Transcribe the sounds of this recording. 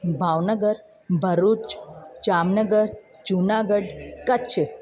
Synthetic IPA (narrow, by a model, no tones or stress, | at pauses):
bʱaʋnəɡəɾ | bʱəɾut͡ʃd͡ʒamnəɡəɾ | d͡ʒunaɡəɖkət͡ʃʰ